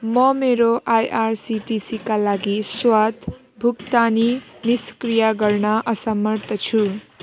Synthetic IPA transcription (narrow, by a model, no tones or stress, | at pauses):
mʌmeɾoʔajʔarsiʈisikalaɡiswat̪ | bʱukt̪aniniskrijaɡʌrnʌʔʌsʌmʌrt̪ʌt͡sʰu